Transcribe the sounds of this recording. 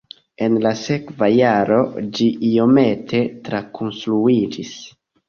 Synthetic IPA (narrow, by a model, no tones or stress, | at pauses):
e̞nlase̞kvajaɾo̞d͡ʒiʔio̞me̞tʰe̞tɾakʰonstɾuid͡ʒis